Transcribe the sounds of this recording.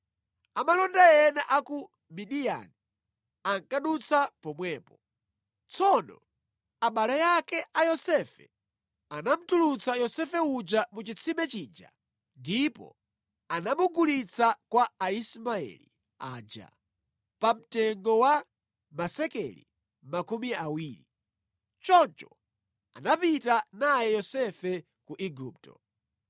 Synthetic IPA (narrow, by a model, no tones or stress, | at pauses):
amalɔndajɛnɛʔaku | miɗija̰ni | aŋkaɗut͡sʰapɔmwɛːpɔ | t͡sʰɔnɔ̰ | aɓalɛjakɛʔajɔsɛfɛ̰ | anam̩tulut͡sajɔsɛfɛud͡ʒamut͡ʃit͡sʰimɛt͡ʃiːd͡ʒa̰ | ndipɔ̰ | anamuɡulit͡sʰakwaːismaɛ̰lḭ | a̰ːd͡ʒa̰ | pam̩tɛŋɡɔwa | masɛkɛlḭ | makumiawiːɾi | t͡ʃɔnt͡ʃɔ | a̰napitanajɛjɔsɛfɛ | kuʔiɡup̚tɔ̰